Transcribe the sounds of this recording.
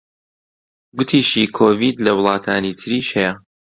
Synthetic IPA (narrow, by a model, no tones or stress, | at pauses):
ɡʊt̪ʰiːʃikʰoːviːd̪lɐwʊlˠɑːt̪ʰaːniːt̪ʰɨɾiːʃhɛjɐ